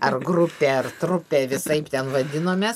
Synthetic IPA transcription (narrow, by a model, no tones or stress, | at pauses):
ɐrɡɾʊpʲeːɐrt̪ɾʊpʲeːʋʲɪsɐɪpt̪ʲɛnʋɐd̪ʲɪnoːmʲeːs